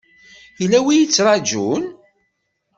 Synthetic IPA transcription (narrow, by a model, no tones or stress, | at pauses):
ilæwijit͡sːɾˤɑd͡ʒun